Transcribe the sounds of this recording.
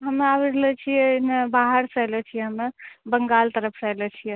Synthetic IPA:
ɦəmabiɾlɛt͡ʃʰimebaɦəɾsələt͡ʃʰijɛɦəmbəŋɡalt̪əɾəpʰsəjlət͡ʃʰijɛ

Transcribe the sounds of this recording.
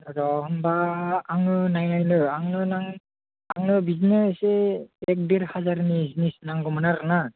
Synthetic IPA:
ɾɔhɔmbaːŋɯnajnajnɯaŋnɯnaŋ | aŋnɯbizneseɛk̚deɾhazaɾnizinisnaŋɡɔmanaɾna

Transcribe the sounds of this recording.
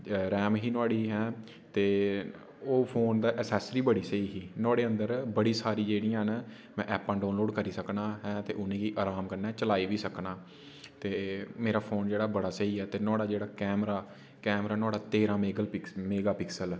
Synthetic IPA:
ɾɛːmɦiːnʊaːɽiːɦɛː | t̪eː | oːpʰoːnd̪aːʔəsɛːsɾiːbəɽiːsəiːɦiːnɔːɽeːənd̪əɾbəɽiːsaːɾiːd͡ʒeːɽĩjãːɦn | mɛ̃ːʔɛːpːãːɖaːnloːɖkəɾiːsəknaːɦɛ̃ːt̪ḛːʔʊnẽːkiːʔaːɾaːmkəɾnɛːt͡ʃəlaːiːʋiːsəknaː | t̪eːmeːɾaːpʰoːnd͡ʒeːɽaːbəɽaːsəiːɛːt̪eːnɔːɽaːd͡ʒeːɽaːkɛːmɾaː | kɛːmɾaːnʊaːɽaːt̪eːɾãːmeːɡəlmeːɡaːpɪksəl

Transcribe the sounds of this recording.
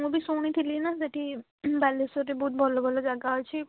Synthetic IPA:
ubʱisoñit̪ʰilinad͡ʒeʈi | balesoɾebɔɦut̪̚bʱɔlobʱɔlod͡ʒaɡaɦojt͡ʃʰi

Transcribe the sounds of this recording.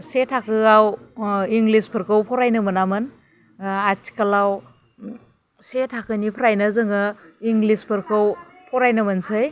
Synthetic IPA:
setʰakʰɯawiŋɡlispʰɯɾkʰɯwpʰɔɾajnɯmɯnamɯn | atʰi̥kalaw | setʰakɯnipʰɾajnɐzɯŋɯiŋɡlispʰɯɾkʰɯw | pʰɔɾajnɯmɯnsɯj

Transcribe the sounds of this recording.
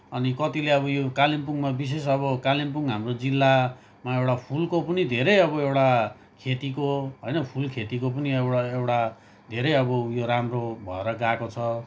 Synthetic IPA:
ʌnikʌt̪ileʌβʌjokalimpuŋmabis̬es̬ʌβʌkalimpuŋɦamrod͡zilːa | maewʈapʰulkopʌnid̪ʱeɾʌjʌβʌewʈa | kʰet̪ikoɦʌjnʌpʰulkʰet̪ikop̬ʌniwaewʈa | d̪ʱeɾʌjʌbʌjoɾamrobʱʌeɾʌɡakot͡sʰʌ

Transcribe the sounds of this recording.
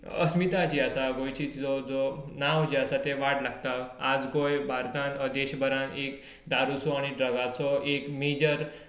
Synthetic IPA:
ə̰smit̪at͡ɕiasaɡojt͡ɕiːt͡sd͡zɔd͡zonawd͡ʑiasat̪eʋaʈlaɡt̪aad͡zɡojbʱaɾt̪ʰãnəd̪eɕbəɾãnek | d̪aɾusɔaɽ̃iɖɾəɡat͡sɔʔekmed͡ʑəɾ

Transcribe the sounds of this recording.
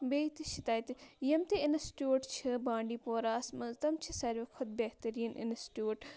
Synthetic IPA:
beːt̪iʃit̪aːjt̪jɐmt̪eɪnɐsʈjuːʈt͡ʃʰibãːɳɖiːpoːɾaːsmɐzt̪ɐmt͡ʃʰisɐɾʋikʰʊd̪̚beht̪ɐɾiːnʔɪ̰nsʈjuːʈ

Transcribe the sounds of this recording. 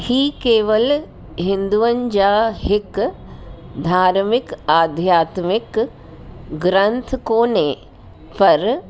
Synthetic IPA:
hiːkeːʋəl | ɦɪ̃nd̪uʋəɲd͡ʒaːɦɪk | d̪ʱaːɾmɪkaːd̪ʱjaːt̪mɪk | ɡɾɐ̃nt̪ʰkoːne | pɐɾ

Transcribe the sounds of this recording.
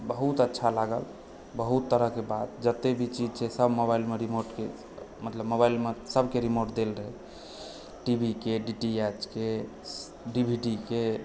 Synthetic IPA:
bəɦut̪ətːʃʰalaɡə̰l | bəɦut̪ːəɾəɦkebad̪d͡ʒət̪ebʱit͡ʃid͡ʒt͡ʃʰɛsəbʱmobailmeɾimoɾʈkḛ | mət̪ləbmːobailmesəbʱkeɾimoɾʈd̪elɾəɦɛ | ʈibʱikeɖiʈiet͡ʃke | ɖibʱiɖike

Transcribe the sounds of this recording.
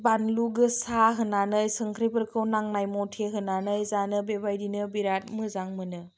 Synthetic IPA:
banluɡɯsaɦɯnanɯjsɯŋkʰɾipɯɾkʰɯwnaŋnajmɔtʰeɦɯnanɯjzanɯbebajdinɯbiɾat̚mɯzaŋmɯnɯ

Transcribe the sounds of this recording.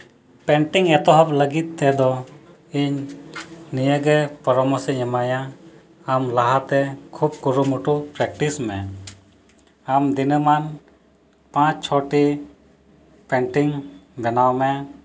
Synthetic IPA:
pɛɳʈiŋɛt̪ɔɦap̚ləɡit̪̚ːɛd̪ɔ | iɲ | nijəɡɛpɔɾɔmɔsɛɲɛmajaː | mlaɦat̪ɛkʰub̚kuɾumuʈupɾɛk̚ʈismɛ | amd̪inɯman | pãt͡ʃt͡ʃʰɔʈi | pɛɳʈiŋbɛnawmɛ

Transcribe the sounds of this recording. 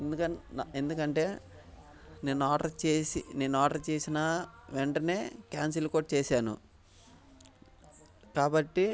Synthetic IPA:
end̪ukɐend̪ukɐɳʈe̞ː | ne̞ːnuaːʈɐɾt͡ʃeːsḭne̞ːnuaːʈɐɾt͡ʃeːsinɐʋeɳʈɐne̞ːkaːns̬ilkoːʈ̚t͡ʃeːsaːnṵ | kaːbɐʈːi

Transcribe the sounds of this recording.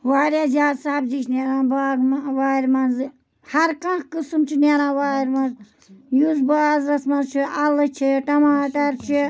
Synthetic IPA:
ʋaːɾjaːzʲaːdsaːbd͡ʒit͡ʃneːɾãːbaːɡmʋaːɾmɐnzɨ | hɐɾkɐ̃nkɨsɨmt͡ʃʰineːɾãːʋaːɾmɐnz | juzbaːzɾɐsmɐnzt͡ʃʰiɐlɨt͡ʃʰiʈɐmaːʈɐɾt͡ʃʰi

